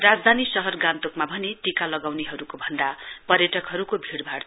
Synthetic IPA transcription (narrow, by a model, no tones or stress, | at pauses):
rad͡zd̪ʱanisʌɦʌrɡant̪okmabʱʌneʈikalʌɡawneɦʌɾukobʱʌnd̪apʌɾjʌʈʌkɦʌɾukobʱiɽbʱaɽ